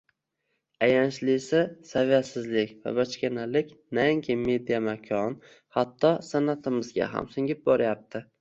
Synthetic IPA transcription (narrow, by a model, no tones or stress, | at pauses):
ajanʃlɪsasavijat̪sɪzlɪkʲva̰bat͡ʃkʲanalɪkʲnaɪŋkʲʰɪme̞d̪ijamakʲʰɒn | hat̪ʰːɒsanat̪ʰɪmɪzɡʲa̰ɦa̰msʊŋʲɪp̚bɒɾɪjap̚t̪ʰɪ